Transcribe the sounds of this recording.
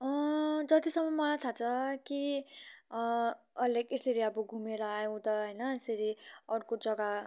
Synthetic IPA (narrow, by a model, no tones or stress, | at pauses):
ʌd͡zʌt̪isʌmʌmʌɭat̪ʰat͡sʰʌki | ʌlekesiɾiʌbuɡʱumeɾʌajũt̪ʌɦəjnʌeseɾiʌɽkod͡zʌɡa